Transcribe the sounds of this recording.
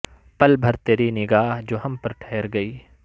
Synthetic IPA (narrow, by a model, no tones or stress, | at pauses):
pɐlbʱɐɾt̪eːɾinɪɡaːɦd͡ʒoːɦɐmpɐɾʈʰɛːɾɡɐiː